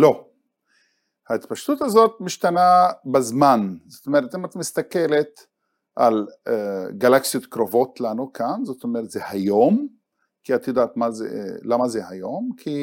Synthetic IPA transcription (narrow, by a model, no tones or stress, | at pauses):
lo̞ | hait̪paʃt̪ut̪hazo̞t̪̚miʃt̪anabezmanzot̪omeʁet̪imat̪mist̪ake̞let̪ | ʔaleɡalaksijot̪kɾovo̞t̪lanukʰanzo̞t̪omeʁet̪zehajom | kiat̪jod̪aːt̪mazḛlamazehajo̞mkʰi